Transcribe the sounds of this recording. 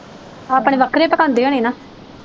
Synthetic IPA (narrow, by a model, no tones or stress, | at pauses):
aːpɽ̃eːʋəkʰɾeːpəkãːnd̪eːɦoːneːnaː